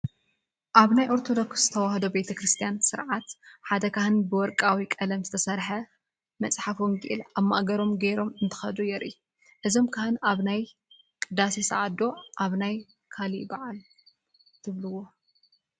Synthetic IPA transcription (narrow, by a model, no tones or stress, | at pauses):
ʔaβnajʔo̞ɾt̪ʰod̪o̞kszɨt̪ʰɐwahd̪obe̞t̪ʰɐkɾɨst̪ʰijansɨɾʕat̪ħad̪ɐkahɨnbɨwɔɾkʼawikʼɐlɐmzɨt̪ʰɐsɐɾħɐ | mɐt͡sʼħafomɡḭʔɨlaβmːa̰ʔɡɐɾo̞mɡɐjɾo̞mɨnt̪ʰɨ̥xɐd̪ujɛɾʔḭ | ʔɨzo̞mkʰahɨnaβnaj | kʼɨd̪asisɐʕad̪o̞ʔaβnaj | kʰalibaʕal | t̪ʰɨβlɨwo